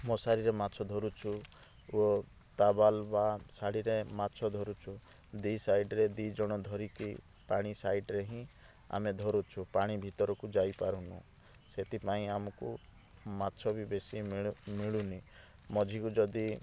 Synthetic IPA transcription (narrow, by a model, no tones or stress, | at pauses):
mɔsaɾiɾemat͡ʃʰɔd̪ʱɔɾut͡ʃʰu | ɔ | t̪abalbasaɽiɾemat͡ʃʰɔd̪ʱɔɾut͡ʃʰu | d̪isajɖɾed̪id͡ʒɔɽ̃ɔd̪ʱɔɾiki | paɽ̃isajɖɾeɦĩ | a̰med̪ʱɔɾut͡ʃʰupaɽ̃ibʱit̪ɔɾɔkud͡ʒajpaɾunṵ | set̪ʰipaĩamɔku | mat͡ʃʰɔbibesimiɭuni | mɔd͡ʒʱikud͡ʒɔd̪i